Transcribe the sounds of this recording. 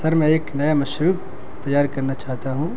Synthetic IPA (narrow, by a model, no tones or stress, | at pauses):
sɐɾmɛ̃ːeːknɐjamɐʃɾuːb | t̪ɐjaːɾkɐɾnat͡ʃaːɦt̪aɦũː